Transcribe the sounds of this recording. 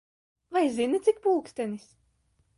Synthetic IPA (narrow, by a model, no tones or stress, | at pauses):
vajzinɨt̪sik̚pulˠkst̪ɛnis